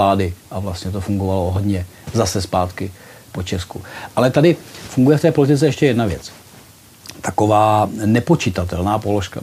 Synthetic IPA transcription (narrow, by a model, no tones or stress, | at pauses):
laːdɪʔavlast̪ɲɛt̪o̞fuŋɡovaloɦodɲɛ | zasɛspaːt̪kɪ | pot͡ʃɛskuʔalɛt̪adɪfuŋɡujɛft̪ɛːpolɪt̪ɪt͡sɛɛʃcɛjɛdnavjɛ̰t͡s | t̪ako̞vaːnɛpo̞t͡ʃɪt̪at̪ɛlnaːpoloʃka̰